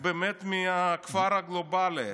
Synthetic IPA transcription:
beːmet̪miakfaɾhaɡlobali

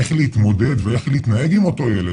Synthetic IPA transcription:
eχleit̪mo̞de̞dvee̞χleit̪nae̞ɡimo̞to̞jele

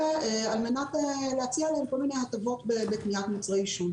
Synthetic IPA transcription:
almenateleat͡sialeemko̞lmine̞jhat̪avo̞tbebekniat̪mat͡sʁaiʃun

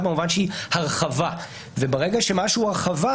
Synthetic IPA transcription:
bemuvanʃeihaʁχava | vebaʁeɡaʃe̞maʃuhaʁχava

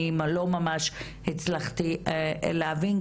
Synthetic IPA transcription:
imalomamaʃ | hit͡slaχt̪iḛlaavin

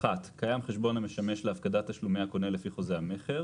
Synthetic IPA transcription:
χat̪kajamχe̞ʃbo̞name̞ʃameʃleafkadat̪ːaʃlumeako̞nelefiχo̞zeame̞χe̞ʁ

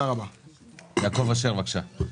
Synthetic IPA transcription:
aʁaba | jaːkovaʃ̬eʁvakʃa

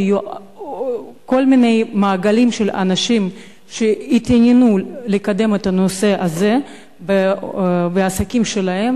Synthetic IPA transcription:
ju | ko̞lmine̞jmaːɡalimʃela̰naʃim | ʃeit̪anenulekad̪e̞met̪ɐnose̞ʔaze̞ | be | beasakʲimʃelaɦe̞m

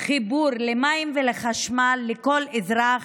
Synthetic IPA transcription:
χibuɾlemaimveleχaʃmalːeko̞lezɾaχ

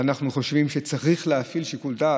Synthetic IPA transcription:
anaχnuχo̞ʃvimʃet͡saʁiχleafilʃikuld̪a

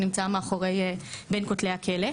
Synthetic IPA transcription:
nimt͡saameaχoʁejbenkot̪lehakʰele

